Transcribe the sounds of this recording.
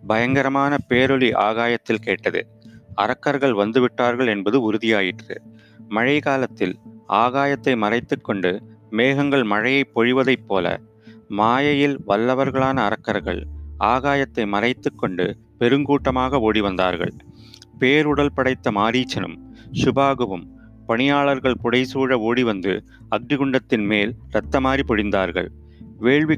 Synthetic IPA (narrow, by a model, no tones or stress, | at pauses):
bɐjɐŋɡɐɾɐmaːnɐpeːɾɔɭiʔa̰ːɣaːjɐt̪ːɪlkeːʈːɐðɯ̰ | ɐɾɐkːɐɾɣɐɭʋɐnd̪ɯʋɪʈːaːɾɣɐɭɛnbɐðɯʊɾɯðɪjaːjɪʈrɯ̰ | mɐɻɐɪɣaːlɐt̪ːɪlʔaːɣaːjɐt̪ːɐɪmɐrɐɪt̪ːɯkːɔɳɖɯmeːɣɐŋɡɐɭmɐɻɐjɐɪpːɔɻɪʋɐðɐɪpːoːlɐ̰ | maːjɐjɪlʋɐlːɐʋɐɾɣɐɭaːnɐːɾɐkːɐɾɣɐ̰ɭaːɣaːjɐt̪ːɐɪmɐrɐɪt̪ːɯkːɔɳɖɯ̰ | pɛɾɯŋɡuːʈːɐmaːɣɐoːɽiʋɐnd̪a̰ːɾɣɐ̰ɭ | peːɾʊɽɐlpɐɽɐɪt̪ːɐmaːɾiːt͡ʃːɐnɯ̰msʊbaːɣɯʋɯm | pɐɳɪjaːɭɐɾɣɐɭpʊɽɐɪsuːɻɐoːɽiʋɐnd̪ɯ̰ | ɐɡ̚ɖɪɣɯɳɖɐt̪ːɪnmeːlɾɐt̪ːɐmaːɾipɔɻɪnd̪aːɾɣɐ̰ɭ | ʋeːɭʋi